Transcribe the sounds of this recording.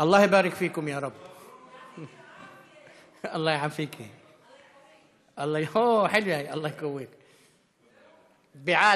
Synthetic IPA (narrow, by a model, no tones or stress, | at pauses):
ʔɑlˤːɑːhjbaːɾɪkfiːkʊmjaːɾˤɑb | ʔɑlˤːɑːjʕamfiːkʰi | ʔɑlˤːɑːoːħɪlwjajʔɑlˤːɑːhjqawːiːk | bɪʕaː